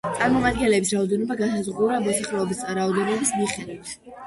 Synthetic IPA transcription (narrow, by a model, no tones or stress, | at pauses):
t̪sʼaɾmɔmad̪ɡɛnlɛbisɾaɔd̪ɛnɔbaɡasazʁuɾamɔsaχlɛɔbist̪ʼaɾaɔd̪ɛnɔbismiχɛd̪wit̪ʰ